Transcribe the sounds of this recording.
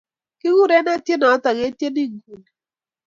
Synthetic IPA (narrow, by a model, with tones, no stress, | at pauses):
kɪ˦wu˦˨ɾɛ˦na˦tje˦nɔ˨˦ta˨ɡe˦tje˦ni˦ɡu˨l